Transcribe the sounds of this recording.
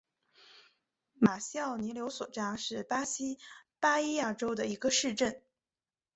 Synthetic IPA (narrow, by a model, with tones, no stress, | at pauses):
ma˨˩ɕjɑ˥˩ʊni˧˥ljo˧˥ʊswɔ̰˨˩ʈ͡ʂa˥ʂɻ̩˥˩pa˥ɕi˥pa˥i˥ja˥˩ʈ͡ʂo˥ʊd̪ə˨i˧˥ɡə˧ʂɻ̩˥˧ʈ͡ʂə˥˩n